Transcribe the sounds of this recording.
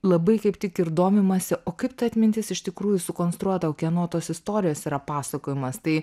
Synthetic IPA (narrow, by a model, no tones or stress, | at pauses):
lˠɐbɐɪkɐɪpt̪ʲɪkɪɾd̪oːmʲɪmɐsʲɪʔoːkɐɪpt̪ɐɐt̪ʲmʲɪnʲt̪ʲɪsɪʃt̪ʲɪkɾuːjʊsʊkoːnst̪ɾuɔt̪ɐoːkʲɛnoːt̪oːsɪst̪oːɾʲɪjoːsiːɾɐpɑːsɐkoːjɪmɐst̪ɐɪ